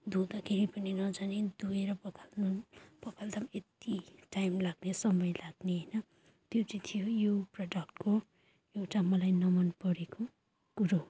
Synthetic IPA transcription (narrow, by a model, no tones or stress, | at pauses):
d̪od̪akʰeɾipʌninʌd͡zanid̪ueɾʌpʌkʰalnupʌkʰald̪ʌmet̪iʈajmlaɡnesʌmʌjlaɡneɦʌjnʌ | t̪jot͡sʌt̪ʰijojoprʌɖʌk̚ʈko | ewʈamʌlajnʌmʌnpʌɾeko | kuɾo